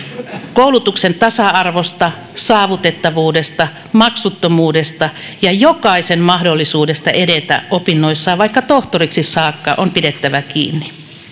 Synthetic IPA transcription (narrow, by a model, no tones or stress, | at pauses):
koulut̪uksent̪ɑsɑɑrʋost̪ɑ | sɑːʋut̪et̪ːɑʋuːdest̪ɑ | mɑksut̪ːomuːdest̪ɑ | jɑjokɑisemmɑhdolːisuːdest̪ɑʔedet̪æ̰opinːoisːɑːʋɑikːɑt̪oht̪oriksisɑːkːɑ̰ʔompidet̪ːæʋækḭːnːi